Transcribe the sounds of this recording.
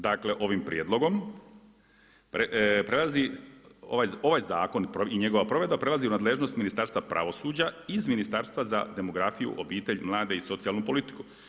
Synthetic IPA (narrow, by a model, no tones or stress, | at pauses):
d̪akle̞ʔo̞ʋimpɾijeːd̪lˠo̞ɡo̞m | pepɾelazio̰ʋajoʋajzaːko̞npoiɲe̞ɡo̞ʋapɾo̞ʋe̞d̪bapɾe̞laziunaːd̪le̞ʒno̞st̪minist̪aːɾst̪ʋapɾʔa̰ʋo̞suːd͡ʑaizminist̪aːɾst̪ʋaza̰d̪e̞mo̞ɡɾafijṵʔo̞biːt̪e̞ʎmlˠaːd̪e̞iso̞t̪sialˠnupo̞lit̪i̥ku̥